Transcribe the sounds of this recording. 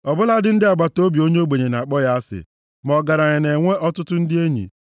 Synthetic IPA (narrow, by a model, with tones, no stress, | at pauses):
ɔ˨bʊ˦la˦dɪ˦n̩˦dɪ˦a˨ɡ͡ba˨to˦bi˨o˦ɲ˦o˦ɡ͡be˨ɲe˨na˨k͡pɔ˦ja˦a˦sɪ̰˨ | mɔ˨ɡa˨ɾa˨ɲe˨ne˨ŋʷe˦ʔɔ˦tʊ˦tʊ˦n̩˦dɪ˦e˦ɲḭ˨